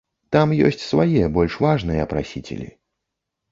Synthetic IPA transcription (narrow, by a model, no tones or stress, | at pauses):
t̪amjɔ̰sʲt͡sʲsvajɛbɔlʲʂvaʐnɨjɛɐpɾa̰sʲit͡sʲɪ̰lʲḭ